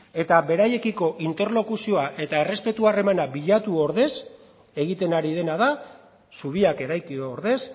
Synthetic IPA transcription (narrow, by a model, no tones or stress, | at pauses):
e̞t̪aβe̞ɾaje̞kiko̞ʔint̪e̞ɾlo̞kusio̞aʔe̞t̪ae̞re̞spe̞t̪uare̞manabiʎat̪uoɾðe̞s | e̞ɣ̞it̪e̞naɾiðe̞naða | suβ̞iake̞ɾajkioɾðe̞s